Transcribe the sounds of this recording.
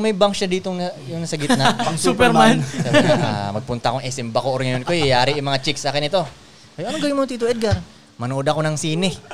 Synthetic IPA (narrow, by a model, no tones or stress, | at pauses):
ŋmɐjbaŋkʃad̪iːt̪oŋjʊŋnɐsɐɡɪt̪nɐsupɛɾmana̰mɐɡ̚pʊnt̪ɐʔkoŋɛsɪmbɐkoʔoɾŋɐjonkojɐjaːɾiʔʊmɐŋat͡ʃɪksaːkɪnɪt̪o̞ | kɐjʔɐnoɡɐjʊŋmont̪iːt̪uɛd̪̚ɡaɾ | mɐnoʔod̪ɐko̞nɐŋsiːnɪ